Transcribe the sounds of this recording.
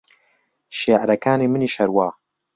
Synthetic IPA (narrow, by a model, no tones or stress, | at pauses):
ʃeːʕɾɐkaːniːmɨniːʃɐɾwaː